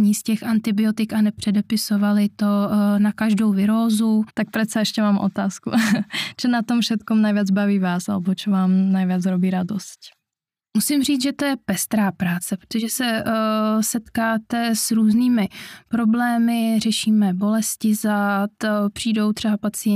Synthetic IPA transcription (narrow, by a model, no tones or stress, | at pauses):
ɲiscɛxant̪ɪbɪot̪ɪkanɛpr̝̥ɛdɛpɪsovalɪt̪o̞nakaʒdo̞wvɪɾoːzut̪ak̚pr̥ɛt̪sɛɛʃcɛmaːmʔo̰t̪aːskṵt͡ʃɛnat̪omfʃɛt̪komnajvjɛd͡zbaviːvaːsʔa̰lɛbot͡ʃɛvaːmnajvjɛt͡sɾobiːɾadosc | musɪmr̝iːt͡sʒɛt̪ojɛpɛst̪ɾaːpɾaːt͡sɛpɾot̪oʒɛsɛ | sɛt̪kaːt̪ɛsɾuːzniːmɪpɾo̞blɛːmɪrɛʃiːmɛbo̞lɛscɪzat̪pr̝̥iːdo̞wt̪r̥ɛbapat͡sɪɛ